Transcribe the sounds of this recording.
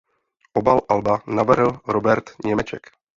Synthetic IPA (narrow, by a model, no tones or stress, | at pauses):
ʔobalʔalbanavɾɪlɾobɛɾt̪ɲɛmɛt͡ʃɛ̰k